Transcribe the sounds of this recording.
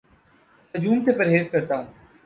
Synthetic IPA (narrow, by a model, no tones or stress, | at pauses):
t̪ɐd͡ʒuːmt̪epɐɾɦeːzkɐɾt̪aɦũː